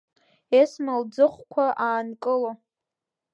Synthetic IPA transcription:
esmald͡zɨχʷkʷʰaʔaːnkʼɨlo

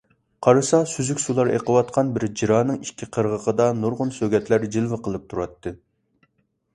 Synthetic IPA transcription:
qʰɑɾɨsɑsyzykʲsulˠɑɾḛqʰəwɑt̪̚qʰɑnbɪɾd͡ʒiɾɑːnɨŋikʲʰːiqʰəɾʁəqəd̪ɑnuɾʁʊnsøɡʲɛt̪læɾd͡ʒilˠwɨqəlˠɨp̚t̪ʰuɾɑt̪ʰːɨ

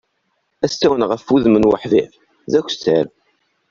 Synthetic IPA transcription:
æst̪æwənʁəfuðmənwə̰ħðæ̰f | zækʷːst̪ːæɾ

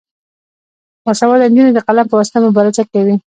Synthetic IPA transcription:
asawɑd̪and̪inad̪əqalampəwasɪ̥t̪amʊbɑɾasakawi

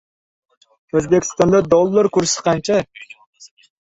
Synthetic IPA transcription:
øzbɪkʲʰi̥st̪ɑnd̪ɑd̪olˠːəɾkʲyɾsɪ̥qʰɑnt͡ʃʰɛ

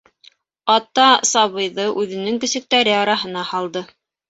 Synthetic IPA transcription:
ɑt̪ɑsɑβɤ̆jðɤʔʉðɘ̆nɘŋkɵ̆sɘ̆k̚t̪æɾɘɑɾɑɦɤ̆nɑhɑlˠd̪ɤ

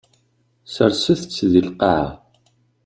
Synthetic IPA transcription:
səɾsəθt͡sːðilqɑʕa̰

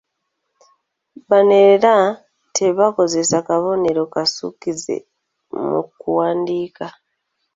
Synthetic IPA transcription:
βane̞ɾeɾa | te̞βako̞ze̞sakaβo̞ne̞ɾo̞kasṵkizḛ | mṵkuwaːndiːka

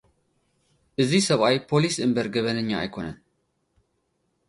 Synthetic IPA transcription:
ʔɨzisɐβajpʰo̞lisɨmbɐɾɡɐβɐnɨɲːaa̰jkʰo̞nɐn

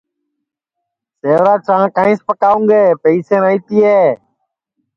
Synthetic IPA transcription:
seːʋɾaːt͡ʃʰãːkãːĩːspəkaːʋũːŋɡeːpeiːsẽːnaːiːt̪iːɦeː

